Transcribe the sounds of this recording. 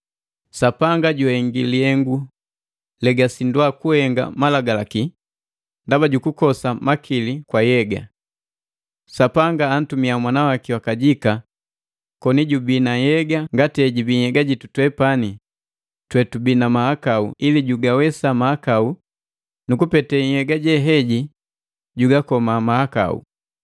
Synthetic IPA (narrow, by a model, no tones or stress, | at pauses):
sapaŋɡaɟuhɛŋɡiliɛŋɡu | lɛɡasinduakuhɛŋɡa̰malaɡalaki | ndabaɟukukɔsamakʰilikwajɛɡa̰ | sapaŋɡaːn̩tumiamwanawakiwakaɟika | kɔniɟubinajɛɡaŋɡatɛɟibiɛɡaɟitutwɛpani | twɛtubinamahakauiliɟuɡawɛsamahakau | nukupɛtɛhɛɡaɟɛɦɛɟi | ɟuɡakɔmamahaka̰ṵ